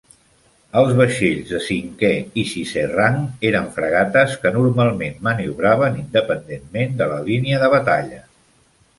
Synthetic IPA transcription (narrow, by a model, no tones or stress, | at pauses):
əlˠzβəʃeʎzðəsiŋkɛiʃiseraŋeɾəɱfɾə̰ɣ̞at̪əskənuɾmalˠmenməniuβɾaβənind̪əpənd̪enmend̪ələliniəðəβət̪aʎə